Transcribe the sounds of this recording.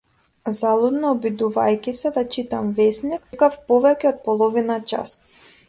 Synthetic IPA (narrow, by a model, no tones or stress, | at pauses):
zalˠud̪nɔɔbid̪uva̰jcʲisɛd̪at͡ʃit̪amvɛsnikkafpɔvɛcʲɛɔt̪̚pɔlˠɔvinat͡ʃa̰s